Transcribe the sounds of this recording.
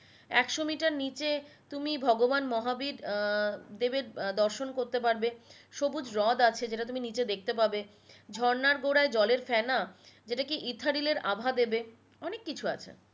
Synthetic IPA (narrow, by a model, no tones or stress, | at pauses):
ɛkʃomiʈaɾnit͡ɕet̪umibʱɔɡobanmɔɦabiɾ | d̪ebeɾd̪ɔɾʃonkoɾt̪epaɾbeʃobud͡ʑɾɔd̪at͡ɕʰed͡ʑeʈat̪uminit͡ɕed̪ek̚ʰt̪ep̬abe | d͡ʑʱɔɾnaɾɡoɽaed͡ʑɔleɾfɛnad͡ʑeʈakiʔit̪ʰːaɾileɾʔabʱad̪ebe | ɔnekːit͡ɕʰua̰t͡ɕʰḛ